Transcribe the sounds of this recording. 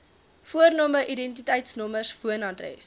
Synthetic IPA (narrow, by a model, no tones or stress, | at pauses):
fuərnuəməʔidɛntitəjtsnɔmərsfuənɑdrɛ̰s